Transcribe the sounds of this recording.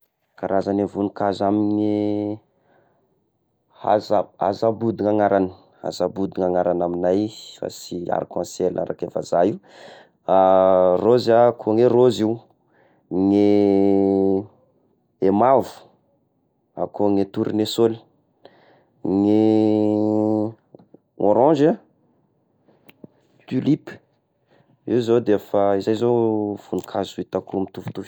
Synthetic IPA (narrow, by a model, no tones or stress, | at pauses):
kaɾazanevunikazaminne | ha̰zaa̰zabud̪iŋaŋaɾanə̥ | a̰zabud̪iŋaŋaɾanaminajfa̰sia̰ɾakãnsela̰ɾakefa̰zajiu | arozakʰoŋeroziw | ŋe | emavu̥ | a̰koŋet̪uɾinesoli̥ | ŋe | o̰ɾɔ̃nd͡ʒa | t̪ylip | iwzowd̪efaizajzov̥unikʰazuit̪akulumit̪uvu̥t̪uv